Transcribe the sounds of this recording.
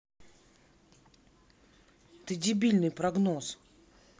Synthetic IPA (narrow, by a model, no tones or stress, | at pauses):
t̪ɨdʲɪbʲilʲnɨjpɾɐɡnos